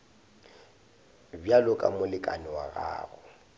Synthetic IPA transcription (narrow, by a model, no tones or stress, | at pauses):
bjalʊkʼa̰mʊlɪkʼa̰nɪwaɣa̰ːɣʊ